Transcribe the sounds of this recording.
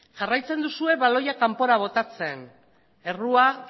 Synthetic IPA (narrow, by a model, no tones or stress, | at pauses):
ʝarajt͡se̞nd̪usue̞βalo̞jakampo̞ɾaβ̞o̞t̪at͡se̞n | e̞rua